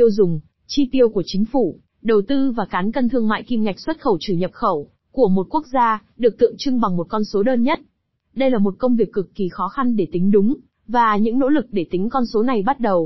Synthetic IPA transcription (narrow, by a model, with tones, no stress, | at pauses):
i˧əwzʊ˨˩ŋ͡m | t͡ɕi˧t̪i˧əwku˧˩ət͡ɕï˨˦ŋ̟fu˧˩ | ɗə˨˩wt̪ɨ˧vaː˨˩kaː˨˦nkə˧nt̪ʰɨ˧əŋma̰ː˧˨jki˧mŋa˨˩jk̟̚swə˦˥t̚xə˧˩wt͡ɕɨ˧˩ɲə˨˩p̚xə˧˩w | ku˧˩əmo˨˩t̚ku˦˥k̚zaː˧ɗɨ˨˩ək̚t̪ɨ̰˧˨əŋt͡ɕɨ˧ŋɓa˨˩ŋmo˨˩t̚kɔ˧nso˨˦ɗəː˧nɲə˦˥t̚ | ɗə˧jlaː˨˩mo˨˩t̚kə˧wŋ͡mvi˨˩əkːɨ˨˩kːi˨˩xɔ˨˦xa˧nɗe˧˩t̪ï˨˦ŋ̟ɗʊ˨˦ŋ͡m | vaː˨˩ɲɨ̰˧˥ŋno̰˧˥lɨ˨˩k̚ɗe˧˩t̪ï˨˦ŋ̟kɔ˧nso˨˦na˨˩jɓa˦˥t̚ɗə˨˩w